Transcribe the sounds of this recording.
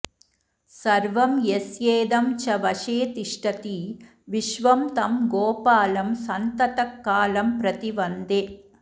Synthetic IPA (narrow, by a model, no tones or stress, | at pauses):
sɐɾʋɐmjesjeːd̪ɐmt͡ʃɐʋɐʃeːt̪iʂʈɐt̪i | ʋiʃʋɐmt̪ɐmɡoːpaːlɐmsɐnt̪ɐt̪ɐkːaːlɐmpɾɐt̪iʋɐnd̪e